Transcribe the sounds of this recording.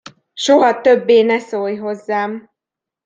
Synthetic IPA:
ʃo̞ɦɒt̪øbːeːnɛsoːjɦo̞zːaːm

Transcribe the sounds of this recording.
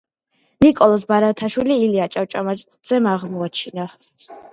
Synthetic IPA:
nikʼɔlˠɔsbaɾat̪ʰaʃwiliːliat͡ʃʼaft͡ʃʼamat͡ʃ̪ʼz̥ɛmaʁmɔat͡ʃʰina

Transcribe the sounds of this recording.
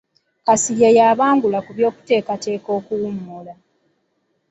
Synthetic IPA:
kasijajaːβaːŋɡulakuβjo̞ːku̥te̞ːkate̞ːko̞ːkuwumːola

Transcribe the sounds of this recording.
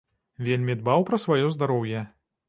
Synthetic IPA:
vʲelʲmʲid̪̚bawpɾɐsvajɔzd̪aɾɔwjɛ

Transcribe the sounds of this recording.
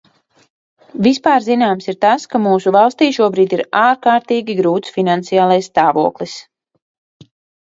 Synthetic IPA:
vispaːɾzinaːmsiɾt̪askamuːsuvalˠst̪iːʃuɔbɾiːd̪iɾaːɾkaːɾt̪iːɡʲiɡɾuːt̪sfinant̪sijaːlˠajsst̪aːvuɔklˠis

